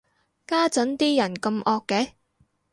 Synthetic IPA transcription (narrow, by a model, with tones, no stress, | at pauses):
kaː˥t͡sɐ˨˥nt̪iː˥jɐ˨˩nkɐ˧mʔɔː˧kːɛ˨˥